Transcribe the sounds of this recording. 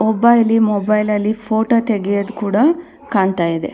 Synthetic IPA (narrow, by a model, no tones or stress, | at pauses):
ɔbɐjlimɔbɐjlɐlːipʰoːʈot̪eɡijod̪ukuːɽɐ | kaːɳt̪aːjid̪e̞̰